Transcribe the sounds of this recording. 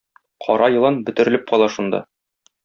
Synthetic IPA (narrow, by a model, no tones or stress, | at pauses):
qʰɒ̰ɾɑjɤ̆lˠɤnbɵ̆t̪ɘ̆ɾɘ̆lɘp̚qɒlˠɑʃund̪ɑ̰